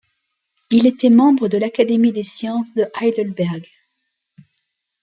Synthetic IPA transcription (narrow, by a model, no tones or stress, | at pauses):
ilet̪ɛmɑ̃bʁəd̪əlakad̪emid̪esjɑ̃sd̪əʔajd̪əlbɛʁɡ